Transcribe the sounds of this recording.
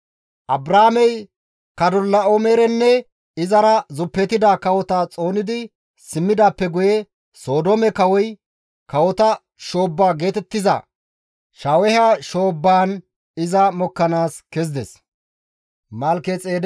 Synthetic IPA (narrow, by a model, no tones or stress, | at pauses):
ʔɐbɾaːmɛj | kɐd̪ɔlːɐomɛɾɛnːɛ | ɪzɐɾɐzʊpːɛt̪ːɪd̪aːkɐwɔt̪at͡sʼo̞ːnɪd̪ɪ | sɪmːɪd̪aːpːɛɡʊjɛ | so̞ːd̪oːmɛkɐwɔj | kɐwɔt̪ɐ | ʃo̞ːbːaːɡe̞ːt̪ɛt̪ːɪzɐ̰ | ʃaːwɛhɐʃo̞ːbːaːn | ɪzɐmɔkːɐnaːskɛzd̪ɛs | mɐlkɛt͡sʼeːd̪